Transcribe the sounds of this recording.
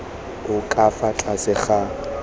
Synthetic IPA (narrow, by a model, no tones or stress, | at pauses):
ʊkʼafat͡ɬʼasɪχa